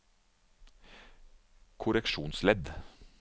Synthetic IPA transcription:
kʰʊɾɛkʃuːnslɛd̪

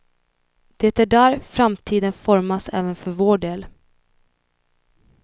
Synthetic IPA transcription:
d̪̥ɛt̪æɖæːɾfɾamt̪ʰiːd̪ənfɔɾmasɛ̰ːvənfœɾvoːɖeːl

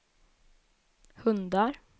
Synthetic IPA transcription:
hɵnd̪aɾ

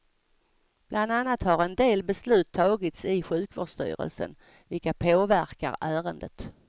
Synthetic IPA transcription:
b̥lʔand̪anːat̪haɾɛnd̪eːlbɛslʉ̟ːt̪ʰːɑːɡɪt̪sɪɧʉ̟ːkvo̰ɖʂt̪y̰ːɾə̰lsə̰n | vɪlkapʰoːvæɾka̰ɾæːɾənd̪ət̪

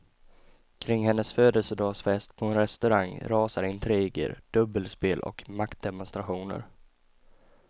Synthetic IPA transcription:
kʰɾɪŋːhɛnːəsføːd̪əlsəd̪ɑːsfɛst̪̚pʰɔɛnɾɛst̪ɵɾaŋɾɑːsaɾɪnt̪ʰɾiːɡə̰ɾɖ̪̥ɵbːəlspeːlʔɔ̰kmakt̪̚d̪ɛmʊnst̪ɾaɧuːnə̰ɾ

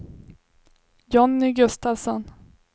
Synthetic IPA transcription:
jɔnːɪɡɵst̪avsɔn

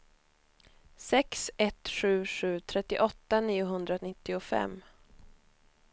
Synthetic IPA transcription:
sɛksɛt̪ɧʉ̟ːɧʉ̟ːt̪ʰɾɛt̪ːɪʔɔt̪ːaniːʊɦɵnd̪ɾanɪt̪ːɪʊfɛ̰mː

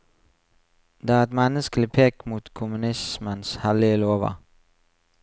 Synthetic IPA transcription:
d̪̥eːæːʁɛt̪mɛnəskəl̩ɪpʰeːkmuːt̪kʰʊmʉnɪsmənshælɪəloːʋə̰

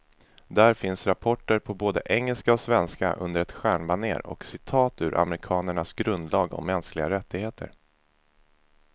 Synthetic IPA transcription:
d̪æːɾfɪnsɾapʰɔʈːəɾpʰɔboːd̪ə̰ʔɛŋːɛlskaɔsvɛnska̰ʔɵ̰nd̪əɾɛt̪ɧæːɳbanḛːɾɔ̰ksɪt̪ʰɑːt̪ʉ̟ːɾʔa̰mɾɪkʰɑːnəɳasɡɾɵnd̪lɑːɡɔ̰mːɛnsklɪɡaɾɛt̪ʰːɪɡheːt̪ʰə̰ɾ

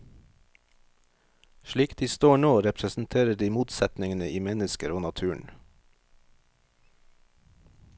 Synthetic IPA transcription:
ʃɭiːkd̪̥iːst̪oːɳoːɾɛpʰɾəsn̩t̪ʰeːɾəɖiːmuːt̪sɛt̪nɪŋənəʔiːmɛnəskəɾoːnɑt̪ʰʉːɳ̩

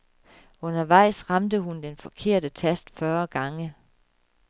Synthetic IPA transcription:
ɔ̽nɐʋɑ̈ɪ̰sʁɑ̈md̥əɦund̥enfɒ̽kʰe̝ɐ̰d̥ət͡sʰæsd̥fɶɐɡ̥ɑ̈ŋə

